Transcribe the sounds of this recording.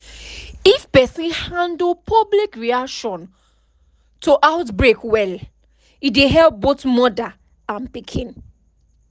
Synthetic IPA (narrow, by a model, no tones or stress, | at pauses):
ifpɛsĩnhãndl̩pʰɔblikɹiakʃɔ̃n | tʰoʔaʊtbɹekwɛl | ideɦɛlp̚botmɔda | ãnpikʰĩn